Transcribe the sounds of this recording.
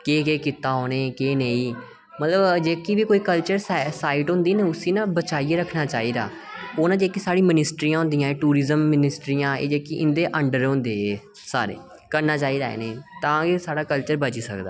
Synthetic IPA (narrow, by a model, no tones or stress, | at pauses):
keːkeːkɪt̪ːaːɦoːneːkeːneiː | mət̪ləbd͡ʒeːkiːʋiːkoːiːkəlt͡ʃəɾssaːiʈɦʊ̃nd̪iːneʊsĩːnãːbət͡ʃaːiːeːɾəkʰnaːt͡ʃaːiːd̪a̰ː | oːnãːd͡ʒeːkiːsaːɽiːmɪnɪsʈɾiːãːɦʊ̃nd̪ijãːeːʈuːɾiːzəmːɪnɪsʈɾiːjãːḛːd͡ʒeːkiʔɪnd̪eːʔəɳɖəɾõːnd̪eːeː | saːɾḛː | kəɾnaːt͡ʃaːiːd̪a̰ːḛneːt̪ãːkesaːɽaːkəlt͡ʃəɾbət͡ʃiːsəkd̪aː